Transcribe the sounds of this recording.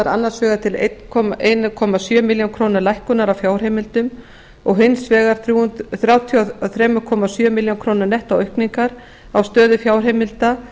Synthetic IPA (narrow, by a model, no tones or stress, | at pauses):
ɾa̰nːaɾsvɛːɣat̪ʰɪlḛjt̪nkʰɔmaʔeːjnakʰɔːmasjœːmɪljankʰɾownaɾlajhkʏnaɾawfjaːwrɦejmɪlt̪ʏm | ɔɣɦɪnsvɛːɣaɾ̥θɾjuːnt̪θɾjaːwt̪ʰiaθɾɛːmʏkʰɔːmasjœmɪljawnkʰɾownaɾnɛht̪awœhkniŋkaɾ | awst̪œːðʏfjaːwr̥ɦejmɪlt̪a